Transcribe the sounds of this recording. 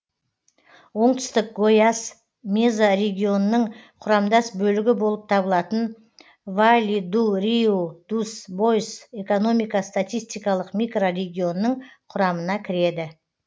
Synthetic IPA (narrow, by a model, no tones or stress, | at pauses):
wo̞ɴt̪ʏ̥st̪ɪk̚ɡojas | mezaɾe̞ɡʲio̞nənːəɴqʰʊɾɑmd̪ɑsbɵlɪɡʲɪbo̞lˠəp̚t̪ʰɑbəlˠɑt̪ən | valʲid̪uɾiud̪̥usbo̞jse̞ko̞no̞mijkɑst̪at̪ijst̪ijkɑlˠəqmijkro̞re̞ɡʲio̞nːəɴqʰʊɾɑmənɑkʲʰɪɾe̞d̪ɪ